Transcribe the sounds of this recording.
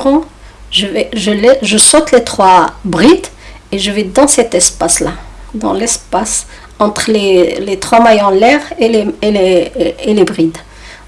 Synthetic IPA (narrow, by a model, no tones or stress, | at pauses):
ʁɑ̃ | ʒəvɛʒəlɛʒəsɔt̪let̪χwabʁit̪ | eʒəvɛd̪ɑ̃sɛt̪ɛspaslad̪ɑ̰̃lɛspas | ɑ̃t̪χlelet̪χwamajɑ̃lɛʁeleeleelebʁid̪